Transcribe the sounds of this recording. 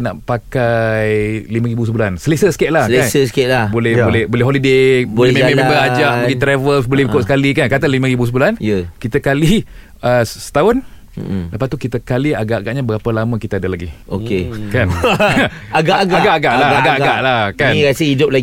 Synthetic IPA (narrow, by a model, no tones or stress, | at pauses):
na̰ʔpakajlimãɾibusəbulansəlesəsə̥keʔ̪̚lahlensəsket̪̚labolɛbolɛbolɛɦolidebolememẽmebəad͡ʒaʔbəɡit̪ɾevəlsbolɛhikʊt̪sə̥kalikankat̪anlimãɾibus̬əbulanjəkit̪əkali | əssə̥t̪aʊn̩ | dəpat̪ukit̪əkaliaɡaʔaɡaʔɲãbəɡapəlamə̃kit̪adalaɡiokekan | aɡaʔaɡaaɡaʔaɡaʔlaaɡaaɡaʔʔlahkanɣasəidʊp̚laɡ